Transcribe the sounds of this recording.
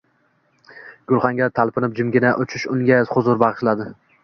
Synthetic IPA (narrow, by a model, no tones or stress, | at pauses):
ɡ̥ʊlˠχɑŋɡʲaɾt̪ʰalˠpɪnɪp̚d͡ʒɪmɡʲɪnaʔʊt͡ʃʰɪʃʊŋɡʲazχʊzʊɾbɑʁɨʃlad̪ɪ